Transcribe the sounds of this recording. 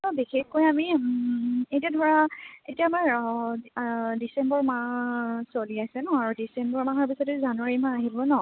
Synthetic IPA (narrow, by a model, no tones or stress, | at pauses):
ɔbixexkojami | ejtiadʱɔɹaetiaːmaɹ | disɛmbɔɹmasoliajsɛnɔaɹudisɛmbɔɹmaɦɔɹpisɔtɛzanwaɹimãaɦibɔnɔ